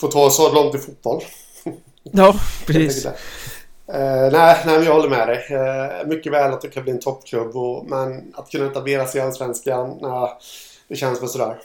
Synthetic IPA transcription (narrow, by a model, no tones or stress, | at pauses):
foːt̪ʰɑːsɔlɔŋt̪ɪfut̪̚b̥ɔlː | t̪ːʰɛkːəɛ̰ | næɪnæɪmɛnjɑhɔlːəɾmɛd̪ɛjmʏkːəvɛːlat̪̚d̪ɛkʰanbliːnt̪ʰɔpːkʰlɵbːɔmɛnat̪kʰɵnːaɪt̪habeːɾasɪalsvɛnskanæɪ | d̪̥ɛɕɛnsmɛsɔd̪æːɾ